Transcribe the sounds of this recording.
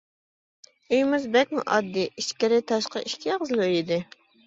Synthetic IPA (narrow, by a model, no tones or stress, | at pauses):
yjmɪzbɛk̚ʲmṵʔɑ̰d̪ːiiʃkʲɪɾɪt̪ʰɑʃqɑʔiʃkʲʰiqəzɨlˠjid̪ɪ